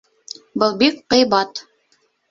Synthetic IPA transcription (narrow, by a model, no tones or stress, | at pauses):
bɤlˠbik̚qɤ̆jbɑt̪